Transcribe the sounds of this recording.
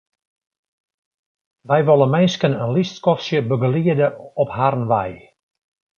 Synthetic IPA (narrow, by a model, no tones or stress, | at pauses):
ʋɛjʋɔlˠənmɛnskənənlistkɔfsjəbəɡəliədəɔpharnʋɛ̰j